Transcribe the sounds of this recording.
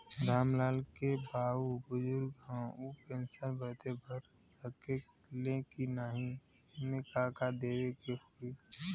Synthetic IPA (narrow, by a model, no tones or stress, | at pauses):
d̪ʱaːmlaːlkebaːubʊzʊɾɡɦãupẽːnsabət̪ebəɾsəkelẽkinaɦĩmẽkakad̪eːwekehoi